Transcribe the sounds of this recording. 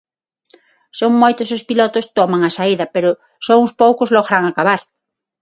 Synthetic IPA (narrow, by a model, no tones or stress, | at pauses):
soŋmojt̪osospilɔt̪ost̪ɔmaŋasaiðɐpeɾʊ | soʊspowkʊzlɔɣɾaŋakaβaɾ